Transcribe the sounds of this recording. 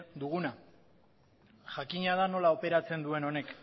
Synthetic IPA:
d̪uɣ̞una | ʝakiɲaðano̞lao̞pe̞ɾat͡se̞nd̪ue̞no̞ne̞k

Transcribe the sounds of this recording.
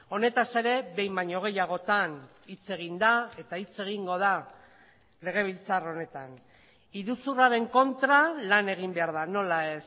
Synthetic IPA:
o̞ne̞t̪ase̞ɾe̞βe̞jmbaɲo̞ɣ̞e̞jaɣ̞o̞t̪an | it͡se̞ɣ̞ind̪ae̞t̪ait͡se̞ɣ̞iŋɡo̞ð̞a | le̞ɣ̞e̞β̞ilt͡saro̞ne̞t̪an | iɾusuraɾe̞ŋko̞nt̪ɾalane̞ɣ̞imbe̞aɾð̞ano̞lae̞s

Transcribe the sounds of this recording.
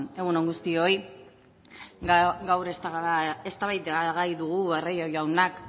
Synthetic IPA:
ne̞ɣuno̞ŋɡust̪io̞j | ɡawɾest̪aɣaɾae̞st̪aβajt̪aɣajðuɣ̞uerejojawnak

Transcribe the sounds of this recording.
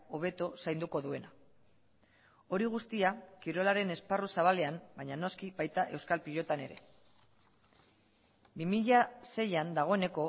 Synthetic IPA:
o̞β̞e̞t̪osajnd̪uko̞ðue̞na | o̞ɾiɣ̞ust̪iakiɾo̞laɾe̞ne̞sparusaβ̞ale̞ambajɲano̞skiβajt̪aʔe̞wskalpiʎo̞t̪ane̞̰ɾe̞̰ | bimiʎase̞jand̪aɣ̞o̞e̞ne̞ko̞

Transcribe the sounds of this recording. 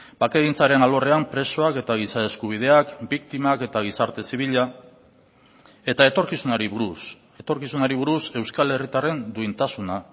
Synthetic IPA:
b̥akeɣint͡saɾe̞nalo̞re̞ampɾe̞so̞ake̞t̪aɣ̞isae̞skuβ̞ið̞e̞akbikt̪imake̞t̪aɣ̞isaɾt̪e̞siβ̞iʎa | e̞t̪aet̪o̞ɾkisunaɾiu | et̪o̞ɾkisunaɾiβuɾuse̞wskale̞rit̪are̞nd̪uint̪asuna

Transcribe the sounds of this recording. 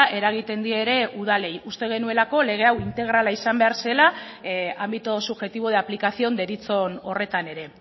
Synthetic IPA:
ʔe̞ɾaɣ̞it̪e̞nd̪ieɾe̞uðale̞just̪e̞ɣ̞e̞nue̞lako̞le̞ɣ̞e̞awint̪e̞ɣ̞ɾalaisambe̞aɾse̞la | ambit̪o̞suβʝe̞t̪iβoð̞eaplikasio̞nd̪e̞ɾit͡so̞no̞re̞t̪ane̞ɾe̞

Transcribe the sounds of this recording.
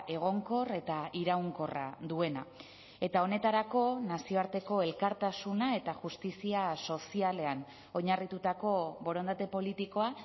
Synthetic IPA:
e̞ɣ̞o̞ŋko̞re̞t̪aiɾawŋko̞ra̰d̪ue̞na | e̞t̪ao̞ne̞t̪aɾako̞nasio̞aɾt̪e̞ko̞e̞lkaɾt̪asunae̞t̪aʝust̪isiaso̞siale̞an | o̞ɲarit̪ut̪ako̞βo̞ɾo̞nd̪at̪e̞po̞lit̪iko̞a

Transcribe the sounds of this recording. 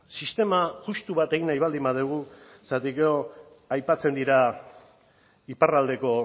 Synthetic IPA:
sist̪e̞maʝust̪uβat̪e̞ɣinajβald̪imaðeɣ̞u | sat̪ikeo | ajpat͡se̞nd̪iɾa | iparald̪e̞ko̞

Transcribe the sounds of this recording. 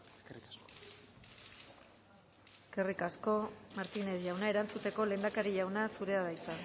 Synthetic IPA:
eskerikasko̥ | eske̞rikasko̞maɾt̪ineðʝawnae̞ɾant͡sut̪e̞ko̞le̞nd̪akaɾiʝawnasuɾe̞aðajt͡s̪a

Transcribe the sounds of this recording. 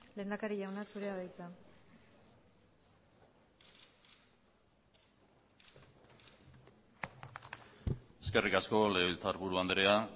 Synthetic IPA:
le̞ːnd̪akaɾiʝawnasuɾe̞aðajt͡s̪a | e̞ske̞rikasko̞leilt͡saɾβuɾuand̪eɾea

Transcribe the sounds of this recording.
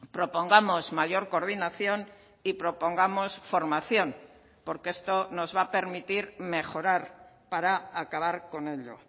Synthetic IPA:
pɾo̞po̞ŋɡamo̞zmaʎo̞ɾko̞ɾðinaθjo̞n | ipɾo̞po̞ŋɡamo̞sfo̞ɾmaθjon | po̞ɾkee̞st̪o̞no̞zβape̞ɾmit̪iɾme̞xo̞ɾaɾ | paɾaakaβaɾko̞ne̞ʎo̰

